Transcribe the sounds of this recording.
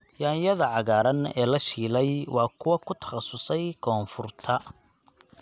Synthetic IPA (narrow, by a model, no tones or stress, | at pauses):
jaːjɐðɐʕɑɣaːɾɐnɛ̰ːlɐʃiːlɛjwɑːkʰʊwɐkʰʊt̪ʰɐ̥χɑsʊsɛjkʰɔːnfʊrt̪ʰɐ